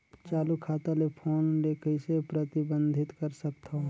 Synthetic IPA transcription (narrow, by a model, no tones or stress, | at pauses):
t͡ʃaːlukʰaːt̪alepʰoːnleːkəisepɾət̪ɪbə̃nd̪ʱɪt̪kəɾsəkt̪o